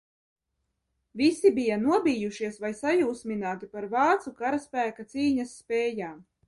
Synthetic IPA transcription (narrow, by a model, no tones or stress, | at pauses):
visibijanuɔbiːjuʃiɛsvajsajuːsminaːt̪ipaɾvɑːt̪sukaɾaspæːkat̪siːɲasːpʲɛːjaːm